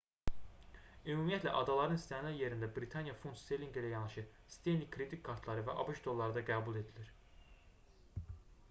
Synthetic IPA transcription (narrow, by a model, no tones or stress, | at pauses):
ymumijɛt̪læ̰ʔɑd̪ɑlˠɑɾɯnist̪ʰænlæɾje̞ɾind̪æbɾit̪ʰɑnjɑfunt̪st̪elʲiŋɡilæjɑnɑʃɯ | st̪e̞jnlikʰːɾed̪ikʰːɑɾt̪ʰlˠɑɾɯvæʔɑ̰buʃd̪o̞lˠːɑɾɯd̪ɑɡæːbulˠe̞d̪iliɾ